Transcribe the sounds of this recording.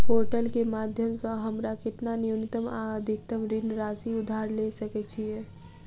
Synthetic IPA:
poɾʈəlkemad̪ʱjəmsə̃ɦəmɾakɪt̪nanijunit̪əmaəd̪ʱikt̪əmɾinɾasiud̪ʱaɾlesəkɛt͡ʃʰije

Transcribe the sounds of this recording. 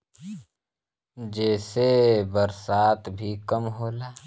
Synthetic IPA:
d͡ʒɛːsebəɾsaːt̪ʰbʱikɐmɦoːlaː

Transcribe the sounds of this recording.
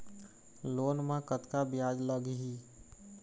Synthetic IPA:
loːnmãkət̪kabɪjaːd͡ʒləɡɦi

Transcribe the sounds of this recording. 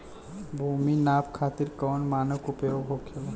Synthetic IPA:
bʱuːminaːpkʰaːt̪ɪɾkɔːnmaːnəkʊpjoːɡɦoːkʰela

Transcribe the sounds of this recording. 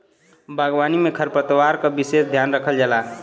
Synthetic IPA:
bʱaɡwanimekʰəɾpət̪waɾkʌbisesd̪ʱjanɾəkʰəld͡ʒala

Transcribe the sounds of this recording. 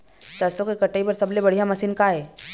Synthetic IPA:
t̪ɐɾsõkekɐʈəipɐɾsɐblebɐɽ̤ijamɐsinkaɦɛː

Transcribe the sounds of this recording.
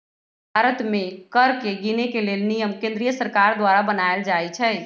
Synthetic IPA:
bʱaɾət̪mẽkəɾkeɡinekelelnijəmkẽnd̪ɾijəsəɾkaɾd̪waɾabənaeld͡ʒajt͡ʃʰɛ

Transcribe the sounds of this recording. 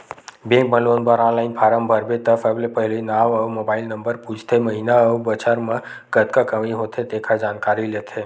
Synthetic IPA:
bẽŋk̚bəlonbaɾãnlainpʰaɾəmbʱəɾbet̪əfəblepəɦelinaʋəʋmobailnəmbəɾput͡ʃʰt̪ʰeməɦinaəubət͡ʃaɾmã | ɡət̪kakəʋĩɦot̪ʰet̪ekʰad͡ʒankaɾilet̪ʰe

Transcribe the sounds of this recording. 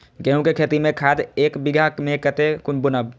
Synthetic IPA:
ɡẽũkekʰet̪imẽkʰad̪eːkbiɡʱakmẽkət̪ekunbʊnəb

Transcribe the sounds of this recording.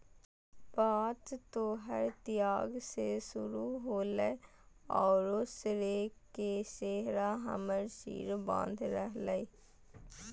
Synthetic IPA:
baːt̪t̪oːɦəɾt̪ɪjaːɡsesʊɾuɦoːləe | ɔːɾoːsɾekeseːɦɾaɦə̰məɾsḭːɾbã̰ːnd̪ʱɾəɦləiː

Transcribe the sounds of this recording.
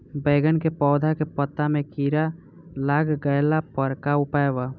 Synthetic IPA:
beːɡənkepɔːd̪ʱakepət̪ːamẽkiɾa | laɡɡəjlapəɾkaupaeba

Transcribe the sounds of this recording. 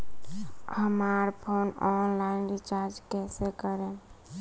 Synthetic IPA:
həmaɾpʰonɔnlainɖit͡ʃaɾd͡ʒkɛːsekəɾẽ

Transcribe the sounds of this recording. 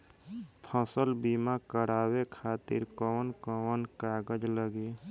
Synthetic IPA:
pʰəsəlbimakəɾaːwekʰaːt̪ɪ̰ɾkɔːnkɔnkaːɡəd͡ʒləɡe

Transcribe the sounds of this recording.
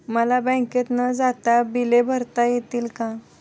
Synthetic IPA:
məlabə̃ket̪nəd͡zat̪abilebʱəɾt̪ajet̪iːlkã

